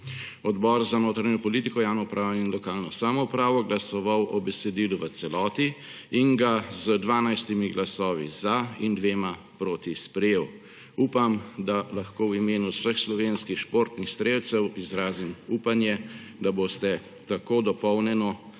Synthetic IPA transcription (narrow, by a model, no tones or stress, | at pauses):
ɔd̪bɔɾzanoːt̪ɾaɲɔpɔliːt̪ikɔjaːwnɔupɾʔaːʋɔinlɔkaːlnɔsaːmɔupɾaːʋɔɡlasɔʋawʔɔbɛsɛd̪iːluʋət̪sɛlɔːt̪i | iŋɡazəd̪ʋaːnajst̪imiɡlasɔːʋḭzaind̪ʋeːma | pɾoːt̪ispɾɛjeːw | upamd̪alaxkoːwimeːnusəxslɔʋenskixʃpoːɾt̪nixst̪ɾeːwt̪sɛwizɾaːzimuːpanjɛ | d̪aboːst̪ɛ | t̪akoːd̪ɔpɔwnɛnɔ